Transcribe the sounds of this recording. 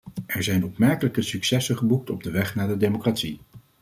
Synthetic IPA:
ʔɛɹzɛjnɔpmɛɹkələkəsyksɛsəχəbuk̚tɔb̚dəʋɛχnaːdədejmokratsi

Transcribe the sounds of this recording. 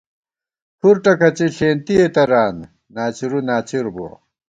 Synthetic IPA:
pʰuɾʈɐkɐt͡ɕiɕeːnt̪iet̪ɐɾaːn | naːt͡ɕiɾunaːt͡ɕiɾbṵ

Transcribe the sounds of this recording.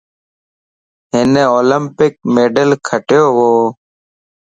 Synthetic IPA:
ɦɪneːoːləmpɪk̚meːɖəlkʰəʈjoːɦoː

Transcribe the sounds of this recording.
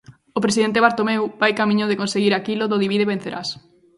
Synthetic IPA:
opɾesiðent̪̬eβ̞aɾt̪omɛwbajkamĩɲoðekonseɣiɾakilʊðoðiβiðeβẽn̟θeɾʔa̰s

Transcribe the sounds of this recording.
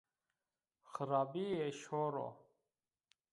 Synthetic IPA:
xəɾaːbieɕoːɾo̰

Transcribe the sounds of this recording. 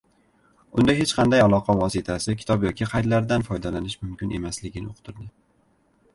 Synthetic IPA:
ʊnd̪aɦet͡ʃqʰɑnd̪ajalˠɒqʰɑvɒsɪt̪ʰasɪkʲʰɪ̥t̪ɒbjɒkʲɪqʰɑjd̪laɾd̪anfɒjd̪alanɪʃmʊmkʲɪnʔe̞̰maslɪɡʲɪnɪʊqʰt̪ʰʊɾd̪ɪ

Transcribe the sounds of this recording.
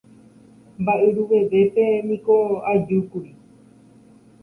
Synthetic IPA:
mbaʔeɾuʋe̞ʋe̞pe̞mĩkoad͡ʒukuɾi

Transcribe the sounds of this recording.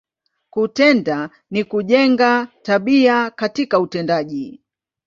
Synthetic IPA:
kutɛnda | nikuʄɛŋɡataɓiakatikautɛndaʄi

